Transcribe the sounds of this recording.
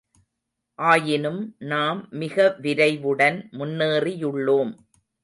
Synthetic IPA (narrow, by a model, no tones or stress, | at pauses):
ʔaːjɪnɯmnaːmːɪɣɐʋɪɾɐɪʋɯɽɐnmʊnːeːrijʊɭːoːm